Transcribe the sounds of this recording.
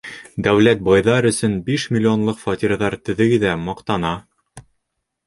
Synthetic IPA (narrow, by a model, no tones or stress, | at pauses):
d̪æwlæt̪̚bɑjðɑɾɵ̆sɵnbiʃmʲɪlʲːɪonlˠɤqfɑt̪ʲiɾðɑɾt̪ɵ̆ðɘ̆ɡɘðæmɑqt̪ɑnɑ